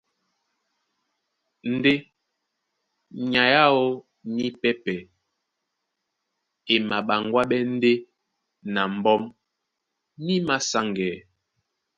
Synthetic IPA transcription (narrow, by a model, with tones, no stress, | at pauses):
n̩˦de˦ | ɲa˨ja˦o˦ | ni˦pɛ˦pɛ˨ | e˨ma˨ɓa˨ŋɡwa˦ɓɛ˦n̩˦de˦ | na˨m̩˨bɔ˦m | ni˦ma˦sa˦ŋɡɛː˨˦